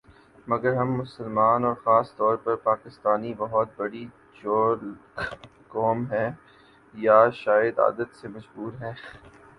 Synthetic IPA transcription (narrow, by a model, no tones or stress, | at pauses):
mɐɡəɾɦɐmːʊsəlmaːnɔːɾxaːst̪ɔːɾpɐɾpaːkɪst̪aːnibɐɦʊt̪̚bɐɽi | d͡ʒoːɾl | kɔːmɦɛ̃ː | jaʃaːjəd̪a̰ːd̪ət̪semɐʃbuːɾɦɛ̃ː